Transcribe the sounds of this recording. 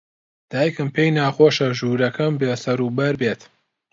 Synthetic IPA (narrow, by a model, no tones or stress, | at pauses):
d̪̥aːjkɨmpʰeːjnaːxoːʃɐʒuːɾɐkʰɐmbeːsɐɾuːbɐɾbeːt̪